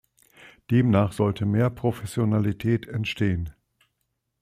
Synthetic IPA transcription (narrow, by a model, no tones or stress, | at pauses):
d̥eːmnaːχz̥ɔltʰəmeːɐpʁ̥ofɛsjonalitʰɛːtʰɛntʃteːən